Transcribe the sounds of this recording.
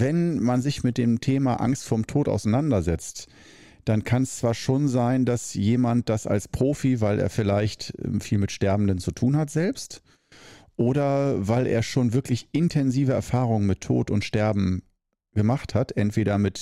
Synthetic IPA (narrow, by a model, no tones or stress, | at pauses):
vɛnmanzɪçmɪt̚d̥eːmtʰeːmaʔa̰ŋstfoːɐmtʰoːtʔa̰ʊsaɪnandɐzɛt͡st | d̥ankʰanɛst͡sv̥aːɐʃoːnzaɪndasjeːmant̚d̥asa̰lspʁ̥oːfivaɪlʔḛːɐfɪlaɪçtfiːlmɪtʃtɛɐbm̩n̩dənt͡sutʰuːnhatz̥ɛlpst | ʔoːɾɐvaɪlʔḛːɐʃoːnvɪɐklɪçʔɪntʰɛnziːvəɛ̰ɐfaːʁʊŋənmɪtʰːo̰ːtʊntʃtɛɐbm̩ | ɡ̥əmaχthatʔɛntv̥eːɾɐmɪt